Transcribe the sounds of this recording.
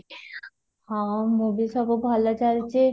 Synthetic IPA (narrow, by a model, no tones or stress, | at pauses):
hãmubisɔbobʱalat͡ɕalt͡ɕʰe